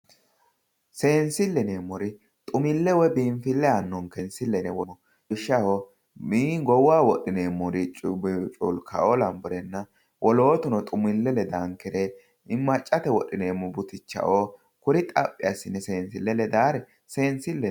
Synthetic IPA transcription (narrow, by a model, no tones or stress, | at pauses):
se̞ːnsɪlːɛneːmːɔɾɪ | t̪ʼʊmɪlːɛwɛbiːmfɪlːɛɐnːɔŋkɛnsɪlːɛnɛwɔmɔ | ɪʃːɐhɔ | miːɡɔwaːwɔɗɪneːmːɔɾɪt͡ʃʼʊbt͡ʃʼʊ̰lkʰɐ̰ʔɔlɐmbʊɾɛnːɐ | wʔɔlo̞ːt̪ʊnɔt̪ʼʊmɪlːɛlɛd̪aŋkːɛɾɛ | ɪmːɐt͡ʃʼːɐt̪ɛwɔɗɪneːmːʊbʊt̪ɪt͡ʃːɐ̰ʔo | kʊɾɪt̪ʼɐpʼːɪɐsːɪnɛse̞ːnsɪlːɛlɛd̪aːɾɛ | seːnsɪlːɛ